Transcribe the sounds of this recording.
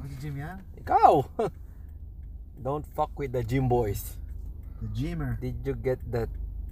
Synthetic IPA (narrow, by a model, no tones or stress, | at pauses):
d͡ʒĩmjakaw | dõntfʌkwid̪̚əd͡ʒĩmbɔjs | d͡ʒĩmədidjuɡɛt̪̚d̪ɛt̚